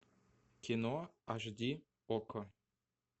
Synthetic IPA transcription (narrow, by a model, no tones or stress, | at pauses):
kʲenoaʒd̪ʲi | okʰɤ̆